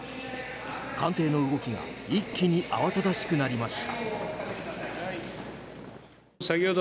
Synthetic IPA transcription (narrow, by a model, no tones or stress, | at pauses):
kãnt̪e̞ːno̞ɯ̟ɡo̞kʲiɡa̰ikʲːiɲ̟iʔa̰βat̪ad̪aɕi̥kɯ̟naɾʲimaɕi̥t̪a̰ | sakʲo̞ːd̪